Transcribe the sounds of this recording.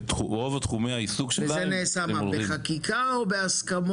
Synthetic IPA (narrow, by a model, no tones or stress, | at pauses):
uʁovat̪χumejhaisuɡʃeelzeneːsamabeχakikaobe̞askamo